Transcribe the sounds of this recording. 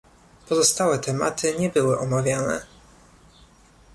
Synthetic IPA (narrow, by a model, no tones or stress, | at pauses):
pɔzɔst̪awɛt̪ɛma̰t̪ʰɘɲɛbɘwɘʔɔmavʲjanɛ̰